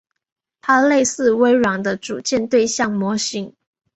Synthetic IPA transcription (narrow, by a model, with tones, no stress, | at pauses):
t̪ʰa˥le˥˧ɪsɹ̩˥˩we˧˥ɪɻwɑ˨˩ŋd̪ə˦ʈ͡ʂu˨˩t͡ɕjɛ˥˧nt̪we˥˧ɪɕjɑ˥˩ŋmwɔ˧˥ɕi˧˥ŋ